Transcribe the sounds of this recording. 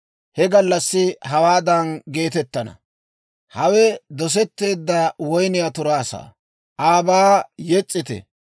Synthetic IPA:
hɛɡɐlːɐsːɪɦɐwaːd̪ɐnɡe̞ːt̪ɛt̪ːɐnɐ̰ | hɐwɛd̪ɔs̬ɛt̪ːe̞ːd̪ːɐwɔjnɪjat̪ʊɾaːsa̰ː | ʔaːbaːjɛt͡sʼːɪt̪ɛ̰

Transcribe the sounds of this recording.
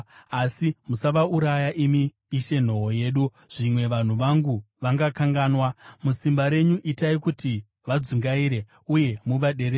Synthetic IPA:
asimusaʋauɾajaʔimiː | ʃe̞n̤o̞ɦoje̞ːɗu | ʐ̥imwe̞ʋan̤uʋaŋɡu | ʋaŋɡakaŋɡaːnwamusimbaɾe̞ɲuʔitaikuti | ʋad͡zuŋɡaiɾe̞ | uje̞muʋaɗe̞ɾe

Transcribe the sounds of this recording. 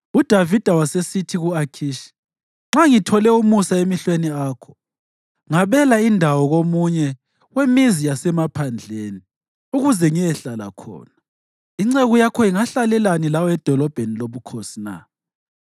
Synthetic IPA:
ud̥ʱavid̥ʱawasesitʰiɣuakʰiːʃi̥ | ŋ͡ǁaŋitʰɔlɛumusaemiɬweniaːkʰɔ̥ | ŋaβɛlaindʱawɔɣomuɲɛ | ɣwemizijasɛmapʰand͡ɮʱeni | uɣuzɛŋijɛɬala̰kʰɔ̰ːna | iŋ͡ǀeɣujakʰɔiŋaɬalɛlanilawɔɛd̥ʱɔlɔb̥ʱeniloβukʰosina̰

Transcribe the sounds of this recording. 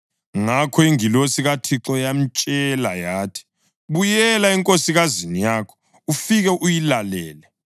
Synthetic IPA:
ŋakʰɔiŋilosiɣatʰiǁɔjam̩t͡ʃʼɛlajaːtʰi̥ | βujɛlaɛŋkʼosiɣazinijaːkʰɔ̥ | ufiɣɛʔujilalɛːlɛ

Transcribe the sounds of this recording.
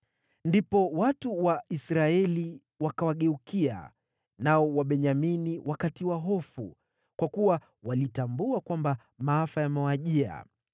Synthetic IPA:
ndipɔwatuwaʔisɾaɛli | wakawaɠɛukia̰ | naɔwaɓɛɲaminiwʔakatiwaɦɔfṵ | kwakuwa | walitambuakwamba | maafajamɛwaʄia̰

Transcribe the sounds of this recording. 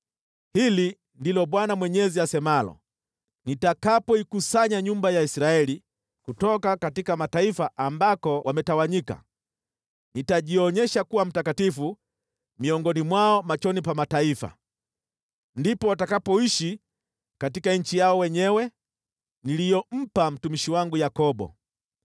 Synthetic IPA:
hili | ndilɔɓwanamwɛɲɛziasɛmalɔ̰ | nitakapɔikusaɲaɲumbajaisɾaɛli | kutɔkakatikamataifaʔambakɔwʔamɛtawaɲika̰ | nitaʄiɔɲɛʃakuwam̩takatifu | miɔŋɡɔnimwaɔmat͡ʃɔnipamataifa̰ | ndipɔwatakapɔiʃi | katikaɲ̩t͡ʃijaɔwɛɲɛwɛ | nilijɔm̩pam̩tumiʃiwaŋɡujakɔbɔ̰

